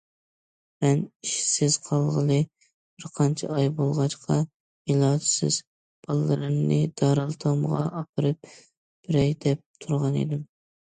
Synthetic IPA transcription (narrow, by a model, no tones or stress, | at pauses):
mɛniʃsɪz̥qʰɑlˠʁəlˠɨ | b̥ɪɾqʰɑnt͡ʃʰɛ̰ɑjbolˠʁɑt͡ʃqʰɑ | ilˠɑːd̪ɨsɪ̰z̥ | b̥ɑlˠlˠɨ̰ɾɨmnɨd̪̥ɑɾɨlˠt̪ʰɑmʁɑ̰ʔɑpʰɨɾɨp̚ | b̥ɪɾɛjd̪ɛp̚t̪ʰuɾʁɑnḛd̪ɪm